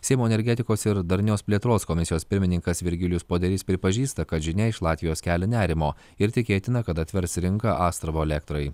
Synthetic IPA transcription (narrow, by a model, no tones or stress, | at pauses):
sʲɛɪmuːɛnʲɛɾʲɡʲɛt̪ʲɪkoːsɪɾd̪ɐɾʲnʲoːspʲlʲiɛt̪ɾoːskɔmʲɪsʲɪjoːspʲɪɾʲmʲɪnʲɪŋkɐsʋʲɪɾʲɡʲɪlʲʊspoːd̪ʲɛɾʲɪspʲɾʲɪpɐʒʲiːst̪ɐkɐt̪ʒʲɪnʲɛɪʃlˠɑːt̪ʲʋʲɪjoːskʲæːlʲɛnʲæːɾʲɪmoː | ɪɾt̪ʲɪkʲeːt̪ʲɪnɐkɐt̪ɐt̪ʲʋʲɛɾsɾʲɪŋkɐʔɑːst̪ɾɐʋoːɛlʲɛk̚t̪ɾɐɪ